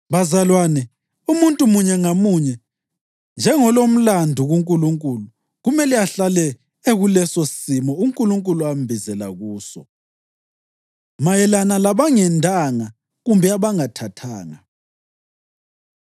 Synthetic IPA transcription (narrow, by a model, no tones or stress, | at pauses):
βazalwaːnɛ | umuntʼumuɲɛŋamuɲɛ | nd͡ʒʱɛŋɔlom̩landʱuɣuŋkʼuluŋkʼulu | ɣumɛlɛaɬalɛ | eɣulɛsɔsimɔuŋkʼuluŋkʼuluambʱizɛla̰ɣuːsɔ̰ | majɛlanalaβaŋɛndʱaŋa | ɣumbʱɛaβaŋatʰatʰa̰ːŋa